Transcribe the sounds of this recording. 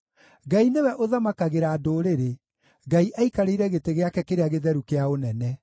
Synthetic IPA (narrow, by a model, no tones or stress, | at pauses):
ɡainewɛʔoðamakaɣeɾaːdoːɾeɾe | ɡaiʔaikaɾeiɾɛɣeteɣeakɛkeɾeaɣeðɛɾukeaonɛnɛ